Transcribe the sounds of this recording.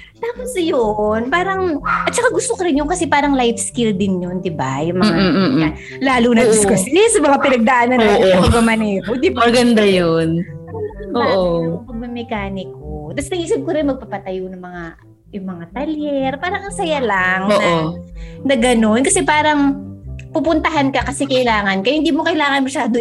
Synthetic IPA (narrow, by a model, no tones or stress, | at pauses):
t̪aːposjonpaːɾɐŋʔɐt̪̚t͡ʃɐkaɡʊst̪okɐɾɪnjʊŋkɐsɛpaːɾɐŋlajfskɪld̪ɪnjond̪ɪba̰jʊŋmɐmŋaa | laːlunɐd̪ɪskɐsɛsɐmɐŋapɪnɐɡ̚d̪ɐʔaːnɐnoɐpɐɡ̚mɐmɐnɛːɾod̪ɪbaɡɐnd̪ajon | oːʔopɐɡ̚mɛmɛkaːnɪkot̪ɐsnɐʔiːsɐb̚koɾɪnmɐɡ̚pɐpɐt̪ɐjonɐŋmɐŋa | jʊŋmɐŋat̪ɐljɛɾpaːɾɐŋɐsɐjalaŋoːnʔonɐɡɐno̞nkɐsɛpaːɾɐŋpupʊnt̪ɐɦankɐkɐsɛkɐʔɪlaːŋɐnkɐhɪnd̪iːmokɐʔɪlaːŋɐnmɐʃaːd̪o